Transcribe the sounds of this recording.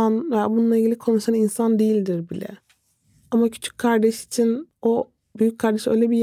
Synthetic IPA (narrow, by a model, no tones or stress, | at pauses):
anveja̰bununˠailʲɟilʲikʰo̞nuʃaninsand̪ejilʲd̪iɾbilʲɛ̰ | amacʰy̥t͡ʃʰy̥c̚ʲkʰaɾd̪ɛʃi̥t͡ʃʰino | byjyc̚ʲkʰaɾd̪ɛʃø̞̰jlʲeɛbij